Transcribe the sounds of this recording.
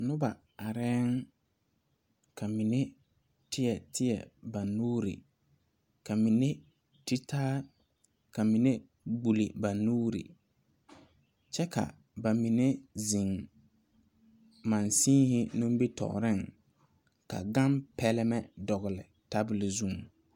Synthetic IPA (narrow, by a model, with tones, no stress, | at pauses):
nʊ˦ba˨ | a˨ɾɛː˦ŋ | kʰa˨mi˨ne˦ | tɪ˦jɛ˨tɪ˦jɛ̰˨ba˨nuː˦ɾḭ˨ | ka˨mi˨ne˦ | ti˦tʰaː˦ | ka˨mi˨ne˦ | ɡ͡bu˨li˨ba˨nuː˦ɾḭ˨ | t͡ʃɛ˦ka̰˨ | ba˨mi˨ne˦zi˨ŋ | ma˨nsiː˦hɪ˦nũ˦m˦bi˦tɔ̰˨ɾɪ˦˨ŋ | ka̰˨ɡa˦mpɛ˦lɪ˦mɛ˦dɔ˨ɣɪ˨lɪ˨ | ta˦bɪ˨lɪ˨zu˦˨ŋ